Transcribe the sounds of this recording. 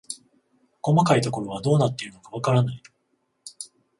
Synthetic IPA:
ko̞makait̪o̞ko̞ɾo̞β̞ad̪o̞ːnat̪ːe̞iɾɯ̟no̞kaβ̞akaɾanai

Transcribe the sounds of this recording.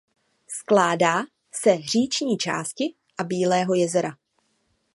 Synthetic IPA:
sklaːdaː | sɛr̝iːt͡ʃɲiːt͡ʃa̰ːscɪ | ʔabiːlɛːɦo̞jɛzɛɾa

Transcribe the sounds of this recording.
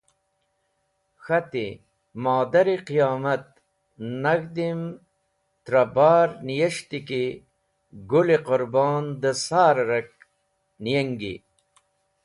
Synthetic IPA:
xɐt̪ḭ | maːd̪ɐɾiqijaːmɐt̪̚ | nɐɡd̪im | t̪ɾɐbaːɾnijɐʂt̪iki | ɡuliqʊɾbɑːnd̪əsaːɾɾɐk̚ | nijɐŋɡḭ

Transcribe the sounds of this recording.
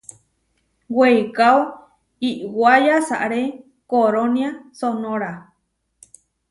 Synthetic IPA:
wwejkao | iʔwajasa̰ʔɾe | koɾonjasonõɾa

